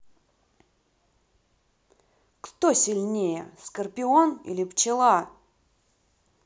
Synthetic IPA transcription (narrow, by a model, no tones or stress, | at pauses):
kt̪osʲɪlʲnʲejə̰skərpʲɪonḭlʲɪpt͡ɕɪlˠa